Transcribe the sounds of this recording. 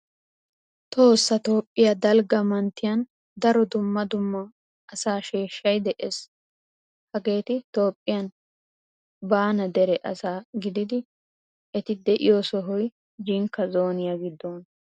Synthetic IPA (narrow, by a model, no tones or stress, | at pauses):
t̪ʰo̞ːsːɐt̪o̞ːpʼːɪjɐd̪ɐlɡɐmɐnt̪ːɪjɐn | d̪ɐɾɔd̪ʊmːɐd̪ʊmːɐː | saːʃeːʃːɐjd̪ɛʔeːs | hɐɡe̞ːt̪ɪt̪o̞ːpʼːɪjɐn | baːnɐd̪ɛɾɛʔɐsaːɡɪd̪ɪd̪ɪ | ʔɛt̪ɪd̪ɛʔɪ̰joːsɔɦɔj | d͡ʒɪŋkːɐzo̞ːnɪjɐɡɪd̪ːɔːn